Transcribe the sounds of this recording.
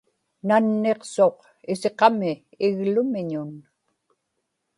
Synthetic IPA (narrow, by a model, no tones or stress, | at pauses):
nanːe̞qso̞q | ɪse̞qɑmɪː | ɣlʊmɪɲʊn